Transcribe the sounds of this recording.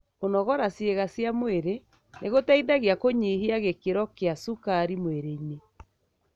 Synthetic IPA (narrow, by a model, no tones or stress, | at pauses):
konɔɣɔɾasjeɣasjamoeɾe | neɣotaiðaɣeakoɲihiaɣekeɾɔkeasukaɾimweɾeiɲe